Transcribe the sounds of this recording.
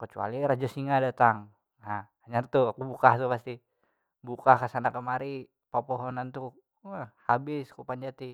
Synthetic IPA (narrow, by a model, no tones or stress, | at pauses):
kət͡ʃua̰liɾad͡ʒasiŋadat̪aŋ | a | aɲart̪uakubukaht̪upast̪i | bukakasanakəmaɾi | papɔɦɔnant̪u | əhhabɪskupaɲd͡ʒat̪i